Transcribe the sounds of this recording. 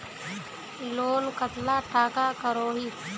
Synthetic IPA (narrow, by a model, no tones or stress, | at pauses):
loːnkət̪laːʈaːkaːkəɾoːɦiː